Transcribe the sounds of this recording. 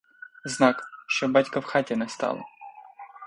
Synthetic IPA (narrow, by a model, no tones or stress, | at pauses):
znɑkʃt͡ʃɔbɑtʲkɐwxɑtʲɛnɛst̪ɑ̰lˠɐ̰